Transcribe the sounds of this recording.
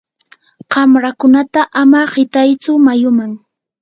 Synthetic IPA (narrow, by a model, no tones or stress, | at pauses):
ɢɑmɾakʊnat̪aʔamaɢɪt̪ajt͡sʊmajʊmaŋ